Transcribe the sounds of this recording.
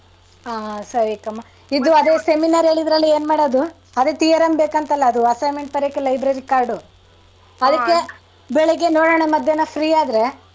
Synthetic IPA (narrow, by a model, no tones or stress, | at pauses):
aːsɐɾikɐmːɐ | id̪uɐd̪eːse̞minaɾɦe̞ːɭid̪ɾɐlːie̞ːnmaːɽod̪u | ɐd̪et̪iːjɐɾɐmbeːkɐnt̪ɐlːɐːd̪uɐsɐjmeɳʈ̚pɐɾeɐkːelɐjbɾɐɾikaːɾɖu | ɐd̪ɐkːe̞ | bɛɭɛɡenoːɽoːɽ̃emɐd̪ʱjɐnɐpʰɾiːaːd̪ɾe̞